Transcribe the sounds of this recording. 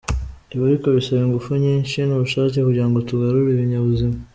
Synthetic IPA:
niβaɾiko̞βisaβeŋɡufuɲiːnʃinuβuʃaːce̞kuɟiɾaŋɡotuɡaɾuɾiβiɲaβuzima

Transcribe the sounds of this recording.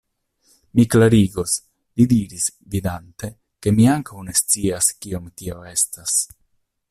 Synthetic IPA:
miklaɾiɡos | lid̪iɾis | vid̪ant̪e̞ | ke̞miaŋkawne̞st͡siaskiomt̪ioe̞stas

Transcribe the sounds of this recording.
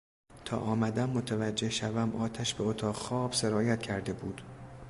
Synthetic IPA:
t̪ʰɒ̰ːʔɒːmæd̪æmːot̪ʰævæd͡ʒːehʃævæmɒːt̪ʰæʃbeot̪ʰɒːʁxɒːb̥se̞ɾɒːjæt̪̚cʲʰæɾd̪e̞buːd̪̥

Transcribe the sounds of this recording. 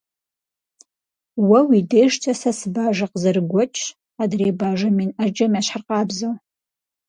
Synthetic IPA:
wawidejʂtʰasasbaʒaqzɨrɡʷɔt͡ʃʼʰ | adreːbaʒaminad͡ʒɨmaʃħarqʼabzow

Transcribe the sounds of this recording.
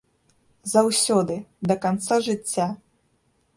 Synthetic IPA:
zawsʲɔd̪ɨd̪ɐkant̪saʐɨt͡sʲːa

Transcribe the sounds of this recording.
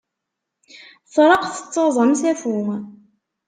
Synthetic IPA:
θɾˤɑqθə̥t͡sːɑzˤəmsæfu

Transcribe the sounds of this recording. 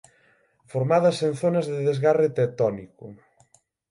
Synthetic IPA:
foɾmaðɐsen̟θonɐzðeðezɣaret̪et̪ɔnikʊ

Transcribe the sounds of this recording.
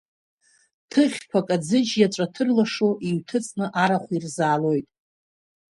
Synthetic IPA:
tʰɨχʲkʷʰakʼad͡zɨd͡ʒjat͡ʃʷʼatʰɨrlaʂoʔiɥtʰɨt͡sʼnɨʔaɾaχʷirzaːlo̞jtʼ

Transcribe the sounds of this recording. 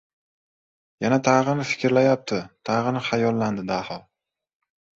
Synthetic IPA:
janat̪ʰaʁɨnɪfɪ̥kʲɾlajap̚t̪ʰɪt̪ʰaʁɨnɪχajɒlˠːand̪ɪd̪ahɒ

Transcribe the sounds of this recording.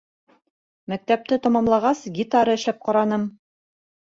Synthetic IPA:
mæk̚t̪æp̚t̪ɘt̪ɑmɑmlˠɑʁɑsɡʲit̪ɑɾɤɘ̆ʃlæp̚qɑɾɑnɤm

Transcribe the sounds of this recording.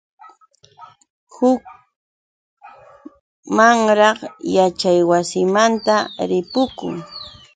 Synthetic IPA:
hʊk̚ | maŋɾɑχjat͡ʃajwasɪmant̪aɾɪpʊkʊ̰ŋ

